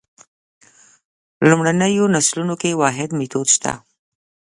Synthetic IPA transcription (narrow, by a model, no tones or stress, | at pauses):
lumɽanəjonaslunokewɑɦɪd̪met̪od̪ʃt̪a̰